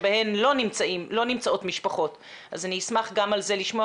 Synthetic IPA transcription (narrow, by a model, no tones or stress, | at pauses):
bahe̞mlo̞nimt͡saimlonimt͡saʔo̞tmiʃpaχo̞t | ʔazaniismaχɡamalze̞liʃmo